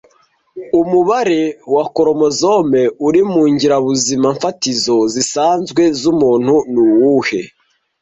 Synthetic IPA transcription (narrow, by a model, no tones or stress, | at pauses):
umuβaɾewakoɾo̞mo̞zome̞uɾimuːɲɟiɾaβuzimaɱfatizo̞zisaːnzɡwe̞zumuːn̥hunuwuhe̞